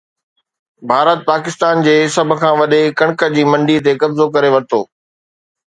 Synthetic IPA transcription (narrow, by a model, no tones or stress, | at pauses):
bʱaːɾət̪̚paːkɪst̪aːnd͡ʑeːsɐbʱʊ̆kʰãːʋɐɗekɐ̃ɽ̃kə̆d͡ʑiːmɐ̃ɳɖit̪̬ekɐbzokɐɾeʋɐɾɪt̪ʰo̰ː